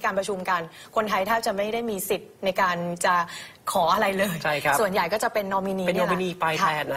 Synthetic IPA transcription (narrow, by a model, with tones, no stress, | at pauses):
kaː˧npɾa˧t͡ɕʰu˧mka˧n | kʰo˧nt̪ʰa˧jt̪ʰaː˥˩p̚t͡ɕa˨˩ma˥˩jdaː˥˩jmiː˧si˨˩t̪̚na˧jkaː˧nt͡ɕa˨˩ | kʰɔː˩˦ʔa˧ɾa˧jlɤː˧jt͡ɕʰa˥˩jkʰssu˨˩ənja˨˩jkɔː˥˩t͡ɕa˨˩pe˧nːɔ˧mi˧niː˧e˧nɔ˧mi˧niː˧pa˧jkʰɛː˧n˦